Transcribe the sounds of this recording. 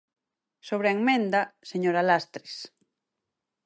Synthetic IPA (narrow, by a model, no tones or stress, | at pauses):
soβ̞ɾeaeŋmẽnd̪aseɲoɾalast̪ɾes